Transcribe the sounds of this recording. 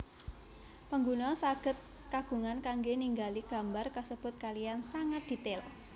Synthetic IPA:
pəŋɡunɔsaɡ̥ə̤t̪̚ | kaɡ̥ṳŋankaŋɡeniŋɡaliɡ̥a̤mbarkəsəb̥ʊt̪̚kalijansaŋat̪̚d̪̥i̤t̪ɪl

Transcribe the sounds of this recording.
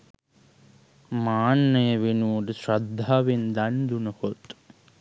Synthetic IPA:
maːnːəjəʋenudəsɾɐd̪ʱːaːʋend̪and̪unəkot̪

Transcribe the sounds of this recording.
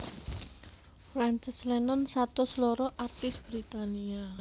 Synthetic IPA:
fɾant͡ʃɪslɛnɔnsat̪ɔsəlɔɾɔʔart̪ɪsb̥ɾit̪ania

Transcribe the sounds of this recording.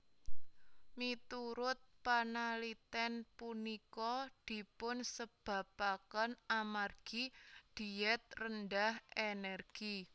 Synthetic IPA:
mit̪uɾʊt̪̚panalit̪ɛnpunikɔd̪̥i̤pʊnsəb̥ä̤pakənamarɡ̥id̪̥i̤ɛt̪̚rənd̪ahenɛrɡ̥i

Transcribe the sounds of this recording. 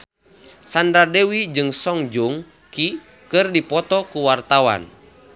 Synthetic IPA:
sandɾadɛwid͡ʒɨŋsɔŋd͡ʒuŋ | ki | kɨrdipɔt̪ɔkuwart̪awa̰n

